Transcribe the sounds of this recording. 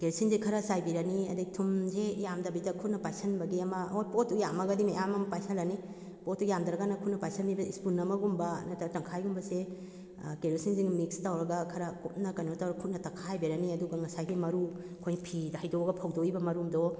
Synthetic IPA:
keɾsinzekʰɐɾasajbiɾɐniɐdiɡ̚tʰumzejamdɐbidɐkʰut̚nɐpajsɐnbɐɡiɐmɐotpotːujamɐɡɐdimajamɐmpajsalɐni | pot̚ːujamdaɾɐɡanɐkʰut̚nɐpajsʰanbibɐispunːɐmɐɡumbɐnatatɐŋkʰajɡumbɐse | keɾusinziŋmikstawɾɐɡɐkʰɐɾakʰut̚nɐkɐnotawɾɐɡkʰut̚nɐtɐkʰajbiɾɐniɐduɡɐŋɐsajɡimɐɾu | kʰojpʰidhajdoɡɐpʰawdoibɐmɐɾumdɔ

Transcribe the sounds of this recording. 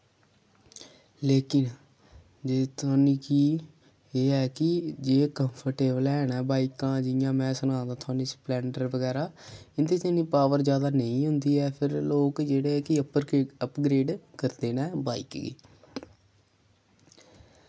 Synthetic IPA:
leːkɪn | d͡ʒet̪aːniːkiː | eːɛːkɪd͡ʒeːkəmpʰəɾʈeːbəlɛːnɛːbaːikãːd͡ʒɪjãːmɛ̃ːsənãːd̪aːt̪ʰʊaːniːsplɛːɳɖəɾbəɡɛːɾaːɪnt̪eːt̪enĩːpaːʋəɾzjaːd̪aːnəĩːɦʊnd̪iːɛːpʰɪɾloːkd͡ʒeːɽeːɛːkɪəpəɾəpɡɾeːɖkəɾd̪eːnɛːbaːikɡḭː

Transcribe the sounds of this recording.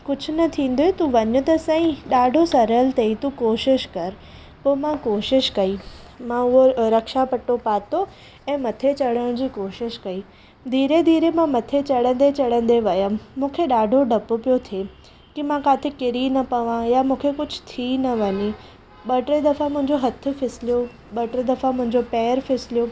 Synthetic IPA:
kʊd͡ʑʱʊ̆nɐt̪ʰĩːnd̪oet̪uʋɐɲʊt̪ɐsãĩɗaːɖʱosɐɾəlt̪eit̪ukoːʃɪʃkɐɾ | poːmãkoːʃɪʃkɐimãʊɦoɾɐkʃapɐʈopaːt̪o | ɛ̃ːmɐt̪ʰet͡ɕɐɽəɽ̃d͡ʑiːkoːʃɪʃkɐiː | d̪ʱiːɾed̪ʱiːɾemãmɐt̪ʰet͡ɕɐɽə̃nd̪et͡ɕɐɽə̃nd̪eʋɐjəmmũːkʰeɗaːɖʱoɖʱɐpopijot̪ʰe | kimãkaːt̪ʰɪkɪɾinɐpɐʋãjamũːkʰekʊd͡ʑʱʊ̥̆t̪ʰinɐʋɐɲi | ɓɐʈɾed̪ɐfamʊ̃ɦɪ̃ɲd͡ʑoɦɐt̪ʰʊ̆fɪsɪlijo | ɓɐʈɾed̪ɐfamʊ̃ɦɪ̃ɲd͡ʑopɛːəɾfʰɪsɪlijo

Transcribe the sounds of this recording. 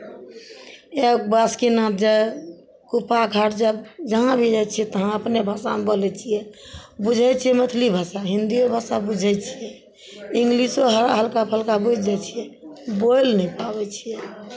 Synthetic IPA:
ek̚baskinãt̪̚d͡ʒae | kupaɡʰʱaʈd͡ʒəbd͡ʒəɦãbʱid͡ʒat͡ʃʰiɛt̪əɦãəpnebʱasamebolɛt͡ʃʰijɛbud͡ʒʱɛt͡ʃʰijɛmət̪ʰlibʱasaɦind̪iobʱasabud͡ʒʱɛt͡ʃʰijɛ | iŋɡlisoɦəɦəlkapʰəlkabud͡ʒd͡ʒat͡ʃʰijɛbojlnɛpabɛt͡ʃʰijɛ

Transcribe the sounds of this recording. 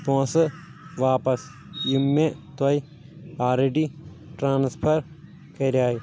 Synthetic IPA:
põːsɨ | ʋaːpɐs | jimːẽt̪ɐi | aːɾeɖi | ʈɾãːnspʰɐɾ | kɐɾʲaːji

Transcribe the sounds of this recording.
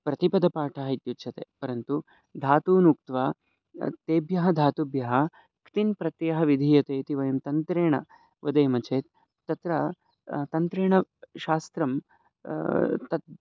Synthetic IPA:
pɾɐt̪ipɐd̪ɐpaːʈʰaːɦɐit̪jut͡ʃʰɐt̪ḛːpɐɾɐnt̪u | d̪ʱaːt̪uːnuk̚t̪ʋaː | t̪eːbjɐɦɐd̪ʱaːt̪ubjɐɦɐ | kt̪inpɾɐt̪jɐɦɐʋid̪ʱiːjɐt̪eːt̪iʋɐjɐmt̪ɐnt̪ɾeːɳɐ̰ | ʋɐd̪ɐːmɐt͡ʃeːt̪ː | ɐt̪ɾɐ | t̪ɐnt̪ɾeːɳɐʃaːst̪ɾɐm | t̪ɐt̪̚

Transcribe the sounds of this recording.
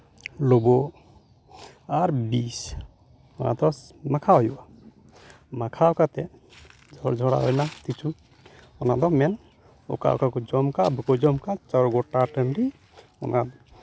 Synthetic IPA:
lɔbɔ | aɾbis | ɔna̰d̪ɔmakʰaɦɔjuwa | makʰaɔkat̪ɛ | d͡ʒʱɔɽd͡ʒʱɔɽa̰ɦɔjnat̪it͡ʃʰu | ɔnaʔd̪ɔmɛn | ɔ̰ka̰ɔ̰kakɔd͡ʒɔmkabukɔd͡ʒɔmkat͡ʃaɾɡɔʈaʈənɾi | ɔ̰nad̪ɔ

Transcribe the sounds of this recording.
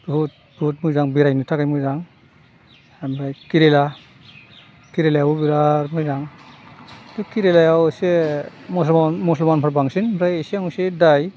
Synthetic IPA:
but̚ | but̚mujzaŋbiɾajnutʰakajmujzaŋ | mɾajkiɾela | kiɾelajawubiɾaɾmujzaŋ | dukiɾelajawsemɔsnmɔslmanpʰaɾbaŋsinbɾajeseaŋusedaj

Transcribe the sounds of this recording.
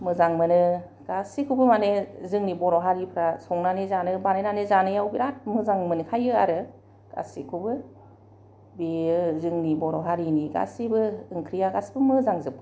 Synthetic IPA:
mɯzaŋmɯnɯ | ɡ̥asikʰubɯmanezɯŋnibɔɾɔɦaɾipʰɾasɔŋnanezanɯbanenanezanɯjawbiɾat̚mɯzaŋmɯnkʰajɯa̰ɾɯ | ɡ̥a̰sikʰubɯ | bezɯŋnibɔɾɔɦaɾiniɡa̰sibɯːŋkʰɾijaɡasbɯmɯzaŋzɯp̚ʰɯ

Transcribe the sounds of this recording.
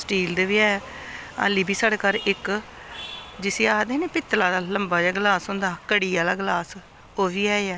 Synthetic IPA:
sʈiːld̪eʋiːɛː | a̰liːbiːsəɽeːkaɾʔɪk | d͡ʒɪseːaːd̪eːneːpɪt̪ːlaːd̪aːləmbaːd͡ʒaːɡlaːsɦʊ̃nd̪aːkəɽiːaːd̪aːɡlaːs | oːʋiːɛːeːɛː

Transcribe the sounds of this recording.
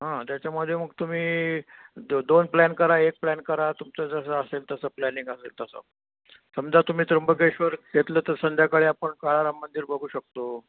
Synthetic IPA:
ɦãt̪jat͡ɕjaməd̪ʱːjeməɡt̪um̤iː | d̪onplænkəɾaek̚plænkəɾat̪umt͡sad͡zəs̬əəselt̪əsəːplæniŋɡəsḛlt̪əsə̰ | səmd͡zat̪um̤iːt̪ɾəmbəkeɕʋəɾɡʱet̪ləːt̪əɾsənd͡ʑ̪ʱjakəɭeapəɳkaɭaɾamːənd̪iːɾbʱəɡʱuːɕək̚t̪o

